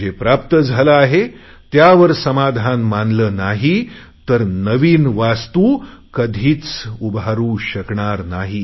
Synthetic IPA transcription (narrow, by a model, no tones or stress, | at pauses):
d͡ʑepɾap̚t̪əd͡zʱalaaɦe | t̪jaʋəɾsəmad̪ʱanmanləːnaɦi | t̪əɾnəʋiːnʋast̪u | kəd̪ʱiːt͡subɦaɾũɕəkɳaɾnaɦi